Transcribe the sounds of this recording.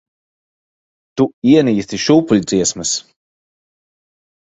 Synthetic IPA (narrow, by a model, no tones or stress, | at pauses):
t̪uiɛniːt̪iʃuːpulʲd̪ziɛsmɨs